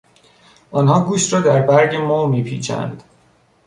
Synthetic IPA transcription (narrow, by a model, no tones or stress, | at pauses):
ʔɒːnɦɒːɡuːʃt̪rɒːd̪æɾbæɾɟemoːmiːpʰḭːt͡ʃʰæ̰nd̪̥